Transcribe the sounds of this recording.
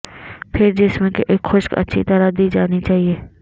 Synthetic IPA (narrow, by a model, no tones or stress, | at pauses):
pʰɪɾd͡ʒɪsmẽkeʔeːkxʊʃkɐ̰tːʃʰḭt̪ɐɾad̪iːd͡ʒaːnit͡ʃaːɦieː